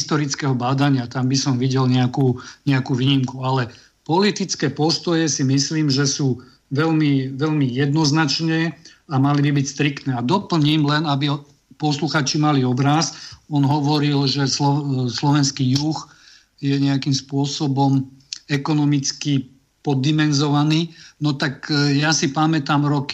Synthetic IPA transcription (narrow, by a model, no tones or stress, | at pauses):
st̪ɔɾit͡skɛɦɔbaːd̪aɲɪat̪ambisɔmʋiɟɛlɲɛakuːɲɛakuːʋiːɲimkualɛ | pɔlit̪it͡skɛːpɔst̪ɔjɛsimisliːmʒɛsuː | ʋɛlmiʋɛlmijɛd̪nɔznat͡ʃɲɛamalibibicst̪ɾikt̪nɛːad̪ɔpl̩ɲimlɛnabiɔ | pɔsluxaːt͡ʃimaliɔbɾasɔnɦɔʋɔɾilʒɛslɔslɔʋɛnskiːjux | jɛɲɛakiːmspʊɔsɔbɔmɛkɔnɔmit͡ski | pɔd̪ːimɛnzɔʋaniːnɔt̪akjasipamɛt̪aːmɾɔki̥